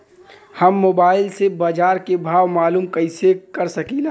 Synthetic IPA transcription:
hɐmːoːbaːɪlsebaːd͡ʒaːɾkebʱaːʋmaːluːmkɐɪsekɐɾsɐkiːlaː

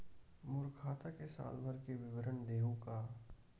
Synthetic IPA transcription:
mʊɾkʰaːt̪akesa̰ːlbʱəɾkeʋɪʋəɾənd̪eːɦõkaː

